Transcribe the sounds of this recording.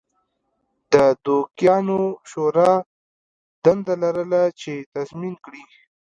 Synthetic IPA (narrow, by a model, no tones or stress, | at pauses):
d̪əd̪okjɑnoʃoɾɑ | d̪and̪alaɾəlat͡ʃet̪azminkɽi